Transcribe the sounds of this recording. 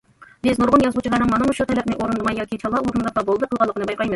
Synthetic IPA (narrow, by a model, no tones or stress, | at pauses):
bɪznʊɾʁʊnjɑzut͡ʃʰilˠɑɾnɨŋmɑnɨmuʃut̪ʰɛlɛp̚nɨʔoɾɨnd̪ɨmɑjɑkʲit͡ʃʰɑlˠɑuɾɡɨnd̪ɑpʰɑbolˠd̪ɨqəlˠʁɑlˠːəqʰənɨbɑjqʰɑjmɨ